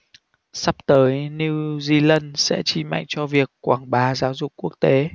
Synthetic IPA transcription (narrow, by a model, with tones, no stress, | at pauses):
sa˦˥p̚t̪əː˨˦jni˧wzi˧lə˧nsɛ̰˧˥t͡ɕi˧˩ma̰˧˨jŋt͡ɕɔ˧vi˨˩əkːwaː˧˩ŋɓaː˨˩˦zaː˨˦wzʊ˨˩k͡p̚kːu˦˥ək̚t̪e˨˦